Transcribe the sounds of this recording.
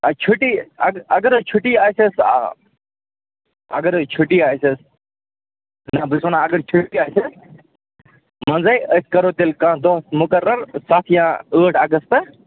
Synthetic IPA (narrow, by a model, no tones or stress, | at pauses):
ɐt͡ʃʰʊʈiːɐɡɐɡəɾt͡ʃʰʊʈiːaːjsesa̰ | ɐ̰ɡəɾt͡ʃʰʊʈiaːjses | nɐbɪsʋənãːɐɡəɾt͡ʃʰʊʈiaːses | mɐ̃nzaiʔəskɐɾoːt̪ɪlkãːd̪oːt̪mʊkɐɾːəɾsaːt̪ʰjãːəːʈʰɐɡəst̪